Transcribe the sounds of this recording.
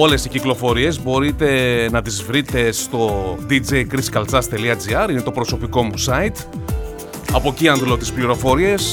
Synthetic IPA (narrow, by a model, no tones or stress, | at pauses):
o̞le̞siciklo̞fo̞ɾie̞zbo̞ɾit̪e̞nɐt̪izvɾit̪e̞st̪o̞d̪id͡zejkɾiskɐlt͡sɐst̪e̞liɐd͡ziɐɾine̞t̪opɾo̞so̞piko̞musɐit̪ | ɐpo̞ciɐnd̪lo̞t̪ispliɾo̞fo̞ɾie̞s